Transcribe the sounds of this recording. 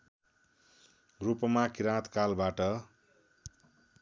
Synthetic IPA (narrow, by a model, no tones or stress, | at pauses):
ɡrupʌmakiɾãt̪kalbaʈʌ